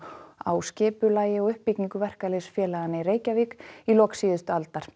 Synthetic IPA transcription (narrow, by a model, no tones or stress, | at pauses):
a̰ːwscɛːpʏlaːjɪɔɣʏhpːicniŋkʏvɛr̥kalesfjɛːlaðanːɪireːjcaviːkilɔːksiːðʏst̪ʏalt̪aɾ̥